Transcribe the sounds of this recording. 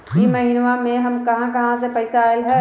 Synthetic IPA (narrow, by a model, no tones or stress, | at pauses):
jimɐɦinʋamẽɦɐmkɐɦãkɐɦãsepɐɪsaːɪlɦɛ